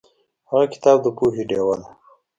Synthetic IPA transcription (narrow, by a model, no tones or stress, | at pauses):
haɣakɪ̥t̪ɑːb̚d̪əpuɦiɖewala